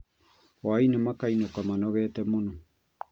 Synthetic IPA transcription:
oajnemakajnokamanoɣeːtemuno

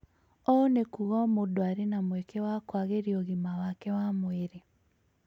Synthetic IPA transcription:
ɔnekuɣɔmodoaɾenamwɛkewakwaɣeɾiɔɣimawakɛwamweɾe

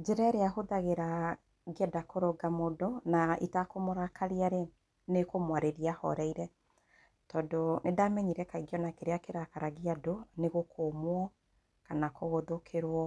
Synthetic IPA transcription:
d͡ʒɛɾɛɾeaɦoðaɣeɾa | ɡiɛdakoɾoɡamodɔnaḭtakomoɾakʰaɾiaɾe | nekomwaɾeɾiahɔ̰ɾɛiɾɛ | tɔːndonʔedamɛɲiɾɛkaiɡjɔnakeɾeakeɾakaɾaɣiadoneɣokʰomwɔ | kanakoɣoðokʰeɾwɔ

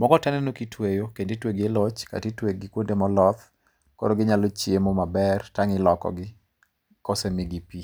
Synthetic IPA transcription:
mɔɡɔtɛnɛnokitʰwejokendetweɡelɔt͡ʃka̰titweɡɪkwondemɔlɔt̪ | ko̰ɾoɡɪɲalot͡ʃjemomabɛrtaŋɪlɔkɔ̰ɡɪ | kɔsemɪɡipi

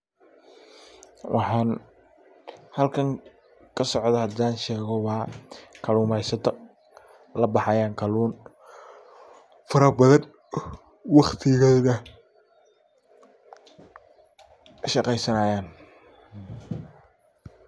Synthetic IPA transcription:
wʔɑħɑːn | hɐlkʰɐŋ | kʰɐsɔʕd̪ɐhɐd̪aːnʃɛːɣɔwɑːkʰɐluːmɛjsɐt̪ʰɐ | lɐbɑħɑjaːŋkʰɐluːn | fɐɾɐbɐðɐn | wɑχt̪ʰɪɣɐːðɐ | ʃɑqɛjsɐnaːjaːn

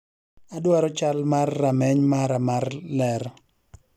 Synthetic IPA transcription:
adwaɾɔt͡ʃalmarːamɛɲmaɾamarlɛɾ

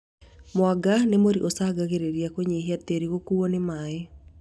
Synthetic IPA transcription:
mwaɡanemoɾiʔosaɡaɣeɾeɾjakoɲeɦiateɾiɣokuonɪmae

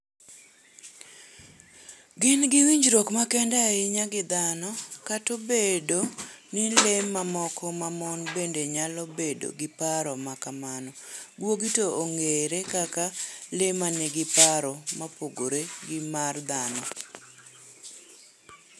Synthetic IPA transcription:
ɡɪnɡɪwiɲd͡ʒɾɔkmakɛndaɪɲaɡɪd̪anɔkatobedonɪlemːamɔkʰɔmamɔnbendeɲalɔbedo̰ɡɪpaɾɔmakamanɔ | ɡwoɡitooŋeɾekakalemanɪɡɪpaɾɔmapoɡoɾeɡɪmard̪anɔ

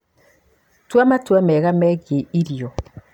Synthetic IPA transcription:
twamatwamɛɣamɛɣeiɾjɔ

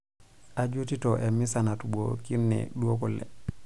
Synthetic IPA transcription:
ʔad͡ʒutitɔʔɛmisanatubokiɾnɛ̰ɗuokɔlːɛ̰

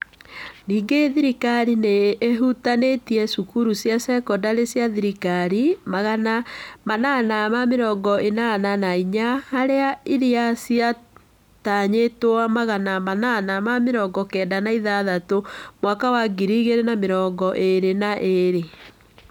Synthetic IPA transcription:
niːŋɡeðiɾikaɾineːɦutanetiɛsukuɾusjasɛkɔdaɾesjaðiɾikaɾimaɣanamananamameɾɔŋɡɔenananaiɲahaɾeaiɾiasia | taɲetoamaɣanamananamameɾɔɡɔkɛːndanaiðaðatomwakawaɡiɾiɣeɾenameɾɔːɡɔʔeɾenaʔeɾe

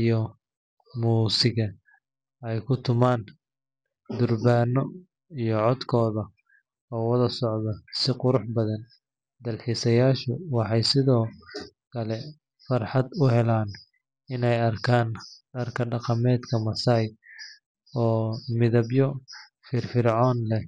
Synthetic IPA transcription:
ijɔ | muːsɪɣɐ | ɛjkʰʊt̪ʰʊmaːn | d̪ʊrbaːnɔ | ijɔʕɔd̪kʰɔːðɐ | ɔːwɐðɐsɔʕðɐsɪqʊɾʊħbɐðɐn | d̪ɐlħisɐjaːʃʊwɑħɑjsɪðɔːkʰɐlɛ | fɑrħɑd̪ʊɦɛlaːn | ɪnɛjɐrkʰaːnɖɐrkʰɐɖɑqɑmɛːd̪kʰɐmɐsaːj | ɔːmɪðɐbjɔ | fɪrfɪrʕɔːnlɛ

